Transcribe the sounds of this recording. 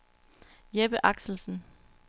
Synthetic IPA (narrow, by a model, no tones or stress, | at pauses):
jeb̥əʔɑ̈ɡ̥sl̩sn̩